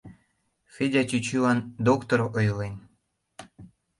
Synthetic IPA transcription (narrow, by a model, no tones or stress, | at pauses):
fʲedʲɑt͡ɕyt͡ɕylɑnd̪okt̪oɾoʔojlen